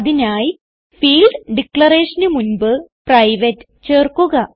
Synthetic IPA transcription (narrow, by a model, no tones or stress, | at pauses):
ðinaːji | fiːlɖɖikɭɐreːʂɐnɨmunbɨprɐjʋɐtː | t͡ɕe̞ːrkuɣɐ